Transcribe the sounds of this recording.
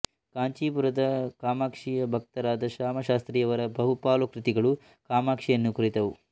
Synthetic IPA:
kaːɲt͡ʃiːpuɾɐd̪ɐkaːmaːkʂijɐbʱɐk̚t̪ɐɾaːd̪ɐʃaːmɐʃaːst̪ɾiːjɐʋɐɾɐbʱɐɦupaːlukɾit̪iɡɐɭu | kaːmaːkʂijɐnːukuɾit̪ɐʋu

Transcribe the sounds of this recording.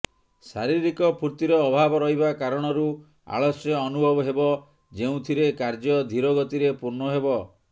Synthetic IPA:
saɾiɾikɔpʰuɾt̪iɾɔːbʱabɔɾɔɦibakaɾɔɽ̃ɔɾu | a̰ɭɔsjɔːnubʱɔbɔɦebɔ | d͡ʒeũt̪ʰiɾekaɾd͡ʒɔd̪ʱiɾɔɡɔt̪iɾepuɾnɔɦebɔ

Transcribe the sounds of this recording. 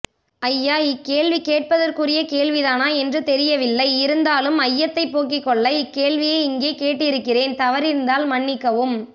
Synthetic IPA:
ɐjːaːɪkːeːɭʋikeːʈ̚pɐðɐrkɯrɪjɐkeːɭʋiðaːnaːɛndrɯt̪ɛɾɪjɐʋɪlːɐɪɪɾɯnd̪aːlɯmɐjːɐt̪ːɐɪpːoːk̬ːɪkːɔɭːɐɪkːeːɭʋɪjeːɪŋɡeːkeːʈːɪɪɾɯkːɪreːnt̪ɐʋɐɾɪɾɯnd̪aːlmɐɳːɪkːɐʋɯm

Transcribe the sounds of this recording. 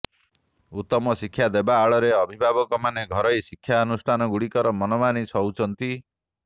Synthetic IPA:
ut̪ːɔmɔsikʰːjad̪ebaːɭɔɾeɔbʱibʱabɔkɔmaneɡʱɔɾɔjsikʰːjaɔnusʈʰanɔɡuɽikɔɾɔmɔnɔmanisɔwt͡ʃʰɔnt̪i

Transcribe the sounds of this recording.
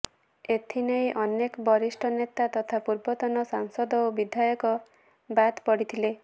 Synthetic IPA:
et̪ʰinejʔɔnekɔbɔɾisʈʰɔnet̪at̪ɔt̪ʰapuɾbɔt̪ɔnɔsaŋsɔd̪ɔobid̪ʱajɔkɔ | bad̪pɔɽit̪ʰile

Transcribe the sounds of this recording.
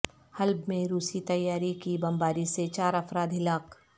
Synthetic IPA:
hɐlbmẽɾuːsit̪ɐjːaːɾikibɐ̃mbaːɾiset͡ʃaːɾɐfɾaːd̪ɦɪlaːk

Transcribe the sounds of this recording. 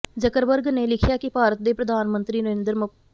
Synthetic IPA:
d͡ʒəkəɾʋəɾɡneːlɪkʰjaːkɪpaːɾət̪̚d̪eːpɾəd̪ʱaːnmə̃nt̪ɾiːnəʋẽːnd̪əɾmə

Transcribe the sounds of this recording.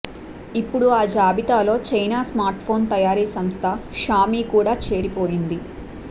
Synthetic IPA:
ipːuɽuaːd͡ʒaːbit̪aːlo̞ːt͡ʃɐjnaːsmaːɾʈpʰo̞ːnt̪ɐjaːɾiːsɐmst̪ʰɐʃaːmiːkuːɽaːt͡ʃe̞ːɾipo̞ːjind̪i

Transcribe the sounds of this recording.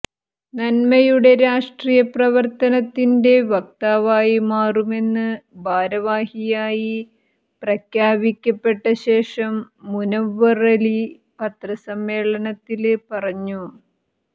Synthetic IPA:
nɐnmɐjuɽe̞ɾaːʂʈriːjɐprɐʋɐrt̪ɐnɐt̪ːinde̞ʋɐk̚t̪aːʋaːjimaːrume̞nːɨbʱaːɾɐʋaːhijaːji | prɐkjaːbikʲːɐpːe̞ʈːɐɕe̞ːʂɐmːunɐʋːɐrɐli | pɐt̪rɐsɐmːe̞ːɭɐnɐt̪ːilpɐrɐɲːu

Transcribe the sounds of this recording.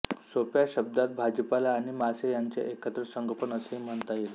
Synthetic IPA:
sopjaɕəb̚d̪at̪̚bʱad͡ʑəpalaːɽ̃imasejaɲt͡sḛʔekət̪ɾəsəŋɡʱəpənəseim̤əɳt̪ajele

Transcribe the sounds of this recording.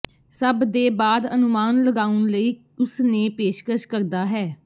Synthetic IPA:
səbd̪eːbaːd̪ənʊmaːnləɡaːʊnləiː | ʊsneːpeːʃkəʃkəɾd̪aːɦɛː

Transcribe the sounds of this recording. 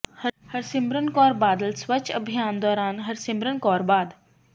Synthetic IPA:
həhɐɾsɪmbɾənkɔːɾbaːd̪əlsʋət͡ʃəbʱijaːnd̪ɔːɾaːnɦɐɾsimbɾənkɔːɾbaːd̪

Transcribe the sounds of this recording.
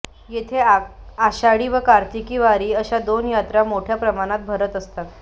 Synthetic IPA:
jet̪ʰeaɕaɽiːʋəkaɾt̪ikiːʋaɾiːəɕad̪onjat̪ɾamoʈʰjapɾəmaɽ̃at̪̚bʱəɾət̪əst̪at̪

